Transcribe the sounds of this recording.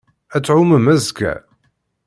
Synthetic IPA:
æt͡sːʕuməmæzkæ̰

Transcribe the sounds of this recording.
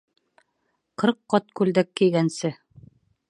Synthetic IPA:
qɤɾqːɑt̪kʉld̪ækːĭjɡænsɘ

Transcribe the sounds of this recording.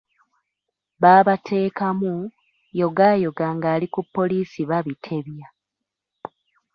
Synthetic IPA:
βaːβatʰe̞ːkamu | jo̞ɡaːjoɡaːŋɡaːlikupːo̞liːsiβaβitʰe̞βja

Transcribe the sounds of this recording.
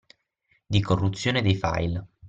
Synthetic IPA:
d̪ikorːut̪sːjoːned̪ejfa̰jl

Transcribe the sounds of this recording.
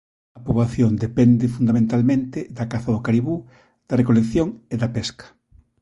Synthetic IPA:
ɐpoβlaθjond̪epɛnd̪ɪfund̪amẽnt̪almẽnt̪ɪd̪ɐkaθɐðʊkaɾiβu | d̪̥ɐrekolekθjoŋeðɐpɛskɐ̥

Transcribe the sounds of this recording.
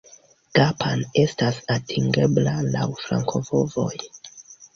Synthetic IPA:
ɡ̥apʰane̞stasatʰiŋɡe̞blalawfɾa̰ŋkʰo̞vo̞vo̞̰j

